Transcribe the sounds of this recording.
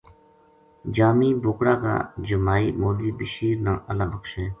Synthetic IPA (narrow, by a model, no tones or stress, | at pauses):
d͡ʒaːmiːboːkɽaːka̰ːd͡ʒʊmaːḭːmoːliːbɪʃiːɾnãːʔəlãːbəkʃẽː